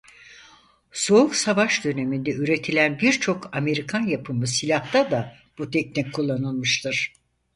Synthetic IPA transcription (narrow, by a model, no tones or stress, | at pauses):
so̞uksavaʃd̪ø̞ne̞mind̪ɛyɾe̞t̪ʰilʲænbiɾt͡ʃʰo̞kʰame̞ɾikʰanjapʰɯmɯsilʲaht̪ad̪a | b̥ut̪ʰɛcnikkʰːulˠːanɯlˠmɯʃt̪ʰɯɾ̥